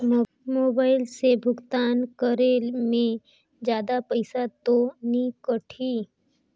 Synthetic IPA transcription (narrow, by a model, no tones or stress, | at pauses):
moːbaːɪlsebʱʊɡt̪aːnkəɾelmẽ | d͡ʒjaːd̪apɐɪsat̪onikəʈʰi